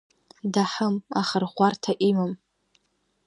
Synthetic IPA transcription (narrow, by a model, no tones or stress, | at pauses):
daħəma̰χərχʷartʰaʔimam